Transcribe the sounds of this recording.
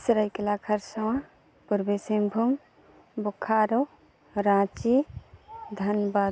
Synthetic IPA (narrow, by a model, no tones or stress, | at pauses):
sɾəjkelakʰɐɾsɔwã | puɾbesembʱum | bukʰaːɾo | ɾãːt͡ʃi | d̪ʱɐnba